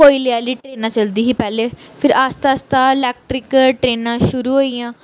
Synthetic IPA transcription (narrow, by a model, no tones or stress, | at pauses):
koːiːleaːliːʈɾeːnãːt͡ʃəld̪iːɦiːpɛːleːpʰɪɾast̪aːst̪aːɪlɛːk̚ʈɾɪkʈɾeːnãːʃʊɾuːɦoːiːjãː